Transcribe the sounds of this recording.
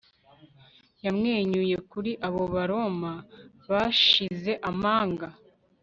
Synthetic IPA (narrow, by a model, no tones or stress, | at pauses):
jamŋe̞ːɲuje̞kuɾiʔaβo̞βaɾo̞ma | βaʃize̞ʔamaːŋɡa